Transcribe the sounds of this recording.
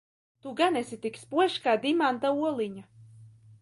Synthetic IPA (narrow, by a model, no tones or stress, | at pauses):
t̪uɡanɛsit̪ikspuɔjʃkaːd̪imant̪auɔlˠiɲa